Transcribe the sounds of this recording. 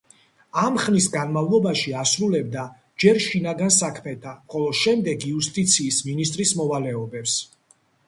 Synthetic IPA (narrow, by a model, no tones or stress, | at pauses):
amχnisɡanmavlˠɔbaʃiasɾulɛb̚d̪a | d͡ʒɛɾʃinaɡansakʰmɛt̪ʰaχɔlˠɔʃɛmd̪ɛɡiust̪ʼit̪sʰiːsminist̪ʼɾismɔvalɛɔbɛps